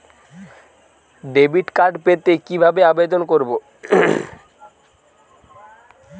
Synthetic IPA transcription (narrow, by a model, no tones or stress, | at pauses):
ɖebiʈkaɾɖpet̪ekibʱabeabed̪onkoɾbo